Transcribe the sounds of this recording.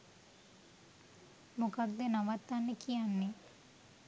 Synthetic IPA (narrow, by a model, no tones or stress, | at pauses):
mukad̪ːenaʋat̪ːanːekijanːe